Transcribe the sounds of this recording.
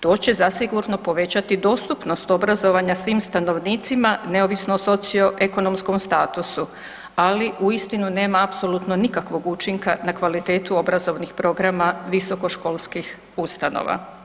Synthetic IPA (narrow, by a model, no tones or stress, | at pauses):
t̪o̞ːt͡ɕe̞zasiɡuɾno̞po̞ʋe̞t͡ɕat̪id̪o̞ːst̪upno̞st̪o̞bɾazo̞ʋaɲasʋiːmst̪ano̞ʋniːt̪simane̞o̞ʋisnoso̞t̪sio̞ʔe̞ko̞no̞msko̞mst̪aːt̪usu | aliʔuist̪inune̞ːmaːpso̞lˠut̪no̞nikakʋo̞ɡut͡ʃiŋkanakʋalit̪e̞ːt̪uo̞bɾazo̞ʋnixpɾo̞ɡɾamaʋiso̞ko̞ʃko̞ːlˠskix | ust̪ano̰ʋa̰